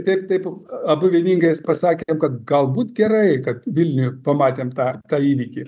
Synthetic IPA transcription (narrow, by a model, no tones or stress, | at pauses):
t̪ʲɛɪpt̪ɐɪpɐbʊʋʲiɛnʲiːŋɡɐɪspɐsɑːkʲemkɐt̪ɡɐlˠbuːt̪ɡʲɛɾɐɪkɐt̪ʋʲɪlʲnʲʊjʊpɐmɑːt̪ʲeːmt̪ɑːt̪ɑːiːʋʲiːkʲɪ